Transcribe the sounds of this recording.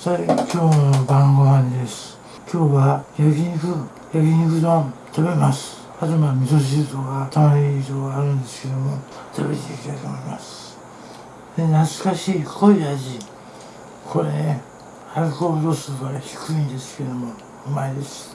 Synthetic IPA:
sakʲʰo̞ːnobãŋɡoβãnd̪e̞sɨ̥ | kʲʰo̞ːβajaɡʲiɲikɯ | jaɡʲiɲikɯ̟d̪õt̪abe̞masɨ̥ | azɯmamʲit̪oɕ̬iɯt̪oɡat̪amaɾit̪oːɡaːɾɯ̟̃nd̪e̞sɨ̥ke̞d̪o̞mo | t̪ʰabḛt̪ekʲit̪ait̪omoimasɨ̥ | d̪enat͡sɨ̥kaɕiːkʰo̞iaʑi | kʰoɾene | haikoːd̪o̞ːsɨɡaçi̥kɯĩnd̪e̞sɨ̥ke̞d̪omo | maed̪e̞sɨ̥

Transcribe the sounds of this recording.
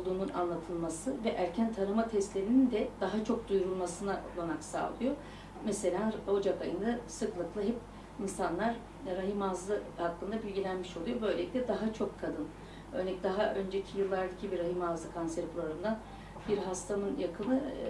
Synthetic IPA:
olˠd̪uːnuna̰nlˠat̪ʰɯlˠmasɯvɛʔæɾcʰænt̪ʰaɾɯmat̪ʰɛst̪lʲeɾinind̪ɛd̪̥aɦat͡ʃʰo̞k̚d̪ujɾulˠmasɯnaʔolˠanaksa̰ːlˠɯjo̞ | mɛse̞lʲanho̞d͡ʒakajɯnd̪asɯklˠɯklˠɯɦɛp̚ | insanlˠaɾ | ɾaɦimazlˠɯhakːˠɯnd̪abilʲɟilʲænmiʃo̞lˠujo̞bø̞jlʲeict̪ʲɛd̪aɦat͡ʃʰo̞kʰːad̪ɯn | ø̰ɾnɛcd̪aɦaʔø̞nd͡ʒecʰijɯlˠːaɾd̪acʰibiɾaɦimazlˠɯkʰansɛɾpʰulˠaɾund̪an | biɾɦast̪ʰamɯnjakʰɯnnɯ

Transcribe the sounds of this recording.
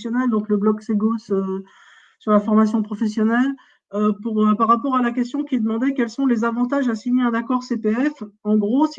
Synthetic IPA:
sjɔnɛld̪ɔ̃kləblɔkseɡosø | syʁlafɔʁmasjɔ̃pχɔfɛsjɔnɛl | øpuʁpaʁːapɔʁalakʲɛst̪jɔ̃kʲid̪əmɑ̃d̪ɛkʲɛlsɔ̃lezavɑ̃t̪aʒasiɲeɛ̃nakɔʁsepeɛfɑ̃ɡʁos

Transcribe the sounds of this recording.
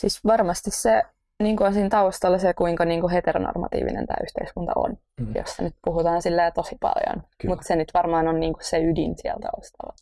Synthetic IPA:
sisʋɑrmɑst̪isse | niːŋkuonsiːnt̪ɑust̪ɑlːɑsekuiŋkɑniːŋkuɦet̪erono̰rmɑ̰t̪ḭːʋḭnḛnt̪æ̰ːyht̪eiskunt̪ɑ̰o̰n | jo̰sːɑnyt̪̚puhut̪ɑːnsilːæːt̪osipɑ̰ljo̰nmut̪senyt̪ʋɑrmɑːnonniːŋku̥sseydinsiɛ̰lt̪ɑ̰ust̪ɑlːɑ

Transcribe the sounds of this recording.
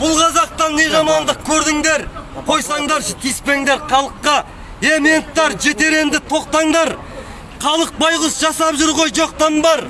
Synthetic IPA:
b̥ʊlˠqʰɑzɑq̚t̪ɑnːe̞ʒɑmɑnd̪əq̚kʲʰɵɾd̪ɪŋd̪e̞ɾqʰo̞jsɑɴd̪ɑɾʃt̪ʲʰijspe̞ŋd̪e̞ɾqʰɑlˠəqːɑ | eme̞nt̪ːɑɾʒe̞t̪e̞ɾe̞nd̪ɪt̪ʰo̞q̚t̪ɑɴd̪ɑɾ | qʰɑlˠəq̚bɑjʁəsʒɑsɑpʒʊɾʁo̞jʒo̞q̚t̪ɑmbɑɾ

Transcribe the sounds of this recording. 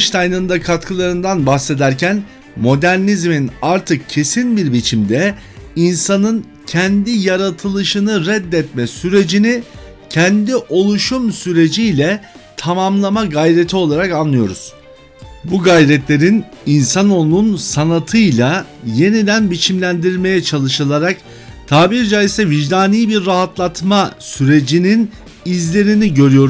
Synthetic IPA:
ʃt̪ʰajnɯnd̪akʰat̪kʰɯlˠaɾɯnd̪anbaxse̞d̪æɾcʰæn | mo̞d̪æɾnizminaɾt̪ʰɯk̚cʰe̞sinbiɾbit͡ʃʰimd̪ɛ | insanɯn | cʰɛnd̪ijaɾat̪ʰɯlˠɯʃɯnɯɾɛd̪ːɛt̪mɛsyɾe̞d͡ʒini | cʰɛnd̪iʔo̞lˠuʃumsyɾe̞d͡ʒijlʲɛt̪ʰamamlˠamaɡajɾe̞t̪ʰio̞lˠaɾakanlˠɯjo̞ɾuz̥ | buɡajɾɛt̪lʲe̞ɾin | insanonunsanat̪ʰɯjlˠa | je̞nid̪ænbit͡ʃʰimlʲænd̪iɾme̞jɛt͡ʃʰalˠɯʃɯlˠaɾak | t̪ʰaːbiɾd͡ʒaisɛviʒd̪aːnijbiɾːaɦat̪lˠat̪masyɾe̞d͡ʒinin | izlʲe̞ɾiniɟø̞ɾyjo̞ɾ

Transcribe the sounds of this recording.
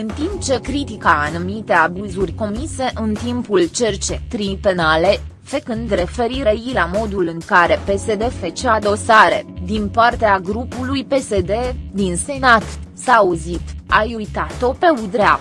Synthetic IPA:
ɨnt̪imp̚t͡ʃe̞kɾit̪ikaːnumit̪e̞abuzurʲko̞mise̞ʔɨnt̪impult͡ʃe̞rt͡ʃe̞t̪ɾipe̞nale̞ | fekɨnd̪ɾe̞fe̞ɾiɾejilamo̞d̪ulɨŋkaɾe̞pe̞se̞d̪efet͡ʃead̪o̞saɾe̞̰d̪inpart̪eaɡɾupulujpe̞se̞d̪e̞d̪inse̞nat̪saːuzit̪ajujt̪at̪o̞pe̞ud̪ɾea

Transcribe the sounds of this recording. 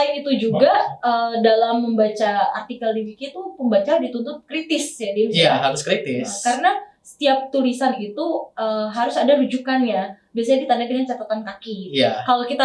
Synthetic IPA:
aɪnit̪ud͡ʒuɡaədalamːəmbat͡ʃaart̪ikaldiɡikit̪upəmbat͡ʃadit̪unt̪ʊt̪̚kəɾit̪ɪsjadiabisaɦaɾʊskɾit̪ɪskaɾənasə̥t̪iap̚t̪ulisanit̪uəɦaɾʊsadaɾud͡ʒukanjabiasaɲadit̪andakaat͡ʃap̪at̪ankakijakalokit̪a

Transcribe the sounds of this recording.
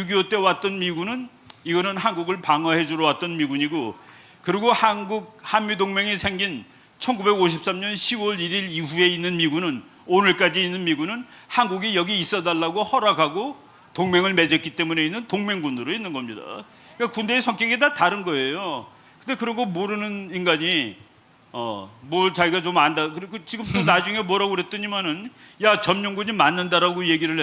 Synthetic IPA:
juɡiot͈e̞wat͈̚ʌnmiɡunɯn | iɡʌnɯnɦanɡuɡɯɭpaŋaɦe̞d͡ʑuɾʌwat̚t͈ʌnmiɡuɲiɡo | kɯɾiɡohanɡuɡ̚hanmidoŋme̞ŋesʰe̞ŋɡin | t͡ɕʰʌnɡube̞ɡoɕʰip̚s͈amɲʌnɕʰiwoɾiɾiɾiɸue̞inːɯnmiɡunɯn | onɯɭk͈ad͡ʑiːnːɯnmiɡunɯn | hanɡuɡijʌɡiːs͈ʌdaɭːaɡohʌɾaɡaɡo | toŋme̞ŋɯɭme̞d͡ʑetk͈it͈emune̞inːɯntoŋme̞ŋɡunɯɾoinːɯnɡʌmɲida̰ | ik͈akunde̞ːsʰʌŋk͈jʌɡedataɾɯnɡʌe̞jo | kɯnte̞kɯɾʌɡomoɾɯnɯninɡaɲi | ʌ̰mʌɭt͡ɕaɡiɡat͡ɕomandakɯɾkɯt͡ɕiɡɯmt͈onad͡ʑuŋe̞mʌɾaɡoɾet̚t͈ʌɲimanɯn | jat͡ɕʌmɲʌŋɡuɲimanːɯndaɾaɡoje̞ɡiɾɯɭe

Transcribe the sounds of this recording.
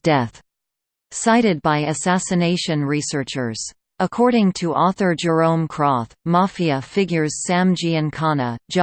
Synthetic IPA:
d̥ɛθ | saɪɾɨd̚baɪɨsæsɨneɪʃɨ̃nɹisɜ˞t͡ʃə˞z̥ | ʔəkʰɔɹɾɪ̃ŋtʰɨʔɔθə˞d͡ʒə˞õʊ̃mkʰɹ̥ɔθmɑfiɨfɪɡjə˞z̥sæ̃md͡ʒiɨ̃nkʰɑnə̥d͡ʒ

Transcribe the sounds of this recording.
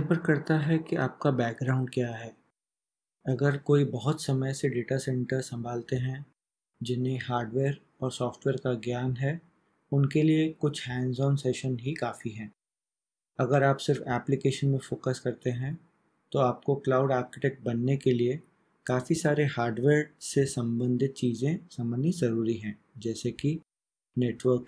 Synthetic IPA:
pəɾkɐɾt̪aɦɛkiʔa̰ːp̚kabɛːk̚ɡɾaʊ̃ɳɖkjaːɦɛː | ɐɡəɾkoːibɐɦʊt̪sɐməjseɖeːʈasɛ̃ɳʈəɾsɐ̃mbʱaːlt̪eɦɛ̃ | d͡ʒɪnẽɦaːɾɖʋeːɾ | ɔːɾsɔːfʈʋeːɾkaɡjaːnɦɛː | ʊnkeliekʊt͡ʃʰhɛ̃ːnzɔːnseːʃənɦikaːfiɦɛ̃ː | ɐɡəɾaːpsɪɾfɛːplɪkeːʃənmẽfoːkəskɐɾt̪eɦɛ̃ | t̪oaːp̚koklaːʊɖaːɾkɪʈɛːk̚ʈ̚bɐnːekelie | kaːfisaːɾehaːɾɖʋeːɾsesɐ̃mbə̃nd̪ʱɪt̪̚t͡ʃiːzẽsɐmənizɐɾuːɾiɦɛ̃ː | d͡ʒɛːseki | neːʈʋəɾk

